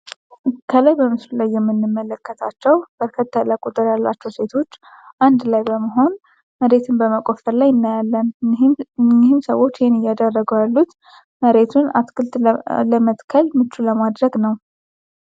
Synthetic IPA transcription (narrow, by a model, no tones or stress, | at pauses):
kʰələjbəmɨslulajːɛmːɨnːɨmːələkʰːət̪ʰat͡ʃːɛwb̥əɾkʰət̪ʰːəjlakʼut̪ʼɨɾjalːa̰t͡ʃːɛwse̞t̪ʰo̞t͡ʃː | ʔand̪lajbəməɦo̞n | məɾe̞t̪ʰɨnbəməkʼo̞fəɾlajːɪnːajalːən | nːihɨmsəwːo̞t͡ʃːjhenɪjːad̪ərːəɡojalːut̪ | məɾe̞t̪ʰuna̰t̪kʰɨlt̪ləmət̪kʰəlmɨt͡ʃːuləmad̪ɾəɡnəw